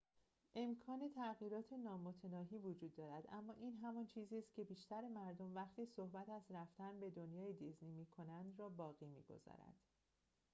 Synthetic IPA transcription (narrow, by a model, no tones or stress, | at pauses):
ʔe̞mkʰɒːne̞t̪ʰæɣiːɾɒːt̪ʰe̞nɒːmot̪ʰe̞nɒːɦiːvod͡ʒuːd̪ːɒːɾæd̪ʔæ̰mːɒːʔiːnɦæmɒnt͡ʃʰiːziːst̪̚cʰe̞biːʃt̪æɾemæɾd̪o̞mvæχt̪ʰiːso̞hbæt̪ʰæzɾæft̪ænbe̞d̪o̞njɒːjed̪izniːmiːkʰo̞nænd̪ɾɒːbɒːɣiːmḭːɡo̞̰zɒ̰ːɾæ̰d̪̥